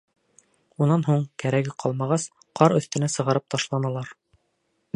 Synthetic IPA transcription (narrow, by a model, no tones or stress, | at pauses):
unɑnɦuɴkæɾæɡɘqʰɑlˠmɑʁɑs | qʰɑɾɵ̆θt̪ɘ̆næsɤ̆ʁɑ̆ɾɤp̚t̪ɑʃlˠɑnɑlˠɑɾ